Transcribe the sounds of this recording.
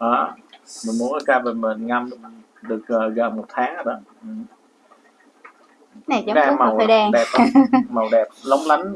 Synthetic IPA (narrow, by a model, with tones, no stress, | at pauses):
ʔaː˨˩mï̟˨˩mu˨˦nʔəː˨˩t͡ɕaː˧və˨˩mə˨˩nŋa˧m˨˩ | ɗɨ˨˩ək̚ʔəː˨˩ɣə˨˩mo˨˩t̚t̪ʰaː˨˦ŋhə˧˩ɗɔː˨˦ | ʔɨ˨˩m | na˨˩t͡ɕɔ˨˧˦ɗaː˧˦˥ma˨˩wə˨˩ɗɛ˧˩ɗɛ˨˩p̚ma˨˩wɗɛ˨˩p̚lə˨˦wŋ͡mla˨˦ŋ̟